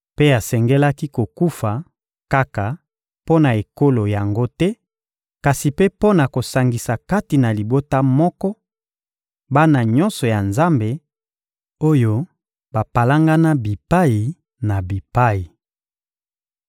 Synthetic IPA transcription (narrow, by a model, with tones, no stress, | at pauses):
pe˦a˨sɛ˨ŋɡɛ˦la˦ki˦ko˨ku˦fa˨ | ka˦ka˨ | po˦na˨e˨ko˦lo˨ja˨ŋɡo˦tɛ˦ | ka˨si˨pe˦po˦na˨ko˨sa˨ŋɡi˨sa˨ka˦ti˨na˨li˨bo˦ta˦mɔ˦kɔ˦ | ba˦na˨ɲɔ̃˦nsɔ˨ja˨nza˦mbe˨ | o˦jo˦ | ba˨pa˨la˦ŋɡa˦na˦bi˨pa˦ji˨ | na˨bi˨pa˦ji˨